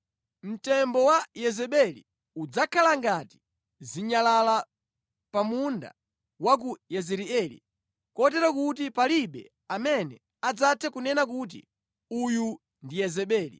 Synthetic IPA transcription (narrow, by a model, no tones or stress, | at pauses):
m̩tɛmbɔwajɛzɛɓɛlḭ | ud͡zakʰalaŋɡati̥ | ziɲalala | pamunda̰ | wak̬ujɛzɛɾiɛlḭ | kɔtɛɾakut̬ipaliɓɛ̰ | amɛnɛ | ad͡zatʰɛkunɛnakut̬ḭ | uju | ndijɛzɛɓɛːlḭ